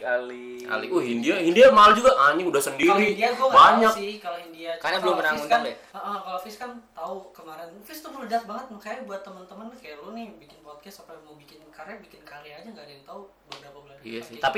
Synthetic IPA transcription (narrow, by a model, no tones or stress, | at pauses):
ali | a̰lḭɔɦindiahindiamaɦald͡ʒuɡaʔaɲɪŋudahsəndiaɾiindiat̪obaɲaksɪkalohindiakarnabəlʊmmənaŋsunkanɛəʔəkalofɪskant̪aukəmaɾɪnfɪst̪ubudak̚baŋət̪̚makajabuat̪ːəmənt̪əmənːɪkajalonɪhbikɪnpɔt̪̚kastːapaamaubikɪnkaɾabikɪnkaliad͡ʒaŋɡaʔdint̪au | bərbɾapabəladiast̪api